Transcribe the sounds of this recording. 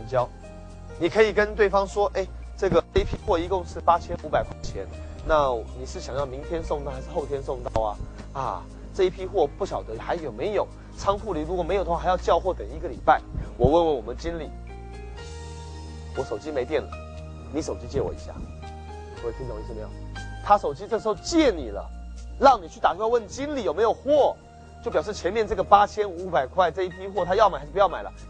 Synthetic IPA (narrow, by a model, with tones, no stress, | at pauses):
nt͡ɕjɑ˥ʊ | ni˨˩kʰɤ˧˥i˨˩kə˥nt̪we˥˩ɪfɑ˥ŋʂwɔ˥ʔe˥˩ɪ | ʈ͡ʂɤ˥˩ɡə˩ʈ͡ʂɤ˥˩i˥˩pʰi˥xwɔ˥˧i˧˥kʊ˥˧ŋʂɻ̩˥˩pa˥t͡ɕʰjɛ˥nu˧˥pa˨˩ɪkʰwa˥˩nt͡ɕʰjɛ˧˥nna˥˩ni˨˩ʂɻ̩˥˩ɕjɑ˨˩ŋjɑ˥˩ʊmi˧˥ŋt̪ʰjɛ˥nsʊ˥˧ŋt̪ɑ˥˩ʊxa˧˥ʂ̩˥˧xo˥˩ʊt̪ʰjɛ˥nsʊ˥˧ŋt̪ɑ˥˩ʊɐ˨ | a˧˩ | ʈ͡ʂɤ˥˧i˥pʰi˥xwɔ˥˧pu˥˩ɕjɑ˨˩ʊd̪ə˦xa˧˥ɪjo˨˩ʊme˧˥ɪjo˨˩˦ʊ | t͡sʰɑ˥ŋfʰu˥˧˩li˧˥ɻu˧˥kwɔ˨˩m˧˥jd̪wɪjʊt͡ɕjɑ˥˧ʊxwɔ˥˩t̪ə˨˩ŋi˧˥ɡə˧˨li˨˩pa˥˩ɪwɔ˨˩wə˥˩nwə˧˩wɔ˨˩mə˦nt͡ɕi˥nli˨˩˦ | wɔ˧˥ʂo˨˩ʊt͡ɕi˥me˧ɪt̪̬jɛ˥˩nlə̰˩ | ni˧˥ʂo˨˩ʊt͡ɕi˥t͡ɕjɛ˥˩wɔ̰˨˩ḭ˧˥ɕja̰˥˩˨ | k̪ʰo˧˩˥i˥˩ʈ͡ʂə˨˩mə˧jɑ˥˩ŋt̪ʰa˥ʂo˨˩ʊt͡ɕi˥t͡sɤ˥˩əʂ̩˧˥xo˥˧ʊt͡ɕjɛ˥˩ni˨˩lə̰˦lɑ˥˩ŋni˨˩t͡ɕʰy˥˩t̪a˨˩˥wə˥˩n˨˩t͡ɕi˥nli˨˩jo˨˩ʊme˧˥ɪjo˨˩ʊxwɔ˥˩ | t͡ɕo˥˩pjʂ̩˥˩t͡ɕʰjɛ˧˥nmjɛ˥˧nʈ͡ʂɤ˥˩ɡə˩pa˥t͡ɕʰjɛ˥nu˧˥pa˨˩ɪkʰwa˥˧ɪʈ͡ʂɤ˥˧i˥˩pʰi˥xwɔ˥˩t̪ʰa˥jɑ˥˩ʊma˨˩˧ʂpu˧jɑ˥˩ma˨˩lə̰˦